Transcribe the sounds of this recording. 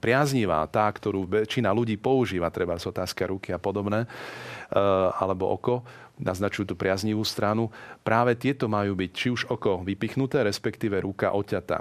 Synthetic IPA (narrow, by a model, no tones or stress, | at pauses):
pɾɪazɲiʋa̰ːt̪aːkt̪ɔɾuːʋɛt͡ʃinaluɟiːpɔuʒiːʋat̪ɾɛbazɔt̪aːskaɾukiapɔd̪ɔbnɛː | alɛbɔ̰ʔɔkɔ | naznat͡ʃujuːt̪upɾɪazɲiʋuːst̪ɾanupɾaːʋɛt̪ɪɛt̪ɔmajuːbict͡ʃiuʒɔkɔʋipixnut̪ɛːɾɛspɛkt̪iːʋɛɾuka̰ʔɔcat̪a̰